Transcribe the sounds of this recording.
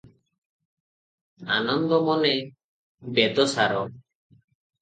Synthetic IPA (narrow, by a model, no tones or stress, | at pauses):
a̰nɔnd̪ɔmɔne | bed̪ɔsaɾɔ